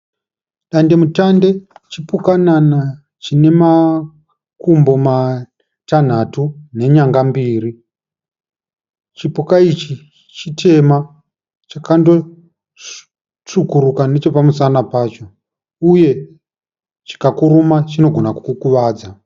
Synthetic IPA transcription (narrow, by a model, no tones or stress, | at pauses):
ɗande̞mutande̞t͡ʃipukanana | t͡ʃine̞ma | kumbo̞ma | tan̤atune̞ɲaŋɡambiːɾi | t͡ʃipukait͡ʃi | t͡ʃitʰe̞ma | t͡ʃakando̞ | t͡ʂukuɾukane̞t͡ʃo̞pamusanapaːt͡ʃo̞ | uje̞ | t͡ʃi̥kakuɾumat͡ʃino̞ɡʱo̞nakukukuʋaːd͡za